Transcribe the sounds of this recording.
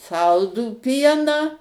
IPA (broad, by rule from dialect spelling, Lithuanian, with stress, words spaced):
ˈsɐlˠduː ˈpʲiɛnɑː